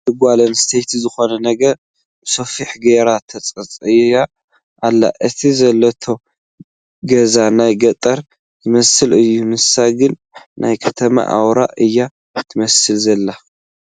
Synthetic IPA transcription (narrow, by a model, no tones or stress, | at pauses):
t̪ʰɨɡʷalɐnst̪ʰejt̪ʰzɨxo̞nɐnɐɡɐɾ | bsofiħɡeɾat̪ʰɐt͡sʼɐt͡sʼɨjja | ʔalːa̰ʔɨt̪ʰizɐlːɐt̪ʰo̞ | ɡɐzanajɡɐt̪ʼɐɾ | jɨmɐsɨlɨjːumɨsaɡɨnː | ʔa̰jkʰɐt̪ʰɐma̰ʔa̰wɾa̰ʔʔɨjːa | t̪ʰɨmɐsɨlzɐlːa